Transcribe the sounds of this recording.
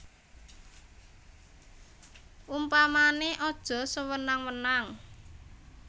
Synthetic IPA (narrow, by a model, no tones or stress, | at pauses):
ʔumpamaneʔɔd̥ʒ̥ɔ̤səwənaŋwənaŋ